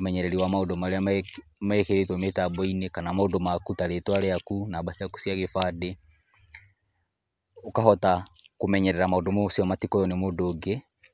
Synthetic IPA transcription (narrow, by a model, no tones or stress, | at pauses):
omɛɲɛɾɛɾiwamaodɔmaɾea | maekeɾetwɔmetabɔinekanamaodɔmakutaɾetwaɾɛakunabasiaku̥siaɣefade | okahɔtakomɛɲɛɾɛɾamaodɔmosiɔmatikɔjɔnɛmoːdoɡe